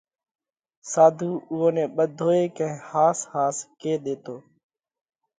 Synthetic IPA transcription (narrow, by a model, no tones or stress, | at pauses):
saːd̪ʱuːʊːoːnɛ̃ːɓəd̪ʱoːeːkə̃ĩhaːshaːskeːɗ̪eːt̪oː